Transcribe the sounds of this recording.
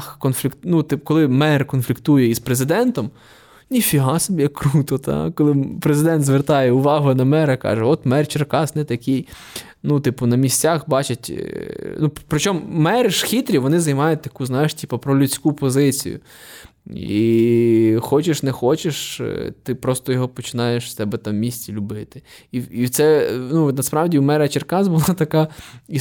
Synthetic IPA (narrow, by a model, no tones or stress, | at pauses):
xkɔnfʲlʲikt̪nut̪ɪpkɔlˠɪmɛrkɔnflʲikt̪ujɛispɾezɪd̪ɛnt̪ɔm | nʲifʲiɦɑsɔbʲijɐkːɾut̪ɔt̪ɑ̰kɔlˠɪpɾezɪd̪ɛnt̪zʋert̪ɑjɛʊʋɑɦʊnɐmɛɾɐkɑ̰ʒɛɔt̪mɛrt͡ʃerkɑsnɛt̪ɐkʲij | nut̪ɪpʊnɐmʲisʲt͡sʲaxbɑt͡ʃɐtʲnupɾɔt͡ʃɔmmɛɾɪʃxʲit̪ɾʲiʋɔnɪzɐjmɑjʊt̚ʲt̪ɐkuznɑjɪʃtʲipɐpɾɔlʲʉt͡sʲkupɔzɪt͡sʲḭjʊ̰ | ḭ | xɔt͡ʃɪʃnɛxɔt͡ʃeʃt̪ɪpɾɔst̪ɔjɔɦɔpɔt͡ʃɪnɑjeʃst̪ɛbɛt̪ɑmːʲisʲt͡sʲilʲʊbɪt̪ɪ̥iiwt̪sɛnunɐspɾɑwdʲiwmɛɾɐt͡ʃerkɑzbʊlˠɑt̪ɐkɑi